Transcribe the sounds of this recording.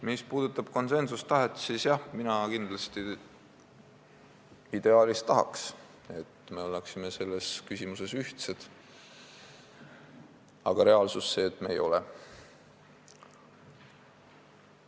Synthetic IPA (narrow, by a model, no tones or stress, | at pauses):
mispuːd̪̥ut̪ːˑɑb̥̚ko̞nse̞nsust̪ɑɦet̪sisjɑhminɑkind̪̥lɑst̪i | id̪̥e̞ɑːlist̪ːɑɦɑ̰ks | e̞t̪ːme̞o̞lːeksimese̞lːe̞skysʲimuse̞syht̪sed̪̥ | ɑ̰ɡ̥ɑɾe̞ɑlsusːe̞ːt̪ːˑmḛːjo̞̰lɛ̰